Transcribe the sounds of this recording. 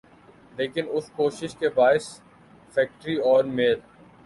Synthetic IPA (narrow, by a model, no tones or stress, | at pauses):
leːkɪnʊskoːʃɪʃkebaːɪs | fɛːk̚ʈəɾiɔːɾmeːl